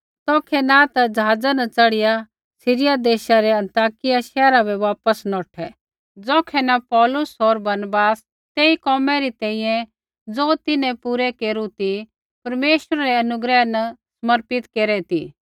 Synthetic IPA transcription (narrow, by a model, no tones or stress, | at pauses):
t̪ɔːkʰɛnat̪ad͡zɐɦaːd͡zanɐt͡sɐɽɪja | sɪɾɪjad̪eːʃaɾɛɐ̃nt̪aːkɪjaʃɛːɾabɛʋaːpəsnɔːʈʰɛ | d͡zɔːkʰɛnapɔːlʊsɔɾbɐɾnbaːs | t̪eːikɔːmɛɾit̪ɛ̃ːĩjɛ̃ | d͡zoːt̪ɪnɛ̃puɾɛkeːɾut̪i | pɐɾmeːʃəɾaɾɛɐnʊɡɾɛnɐsməɾpɪt̪keːɾɛt̪ḭː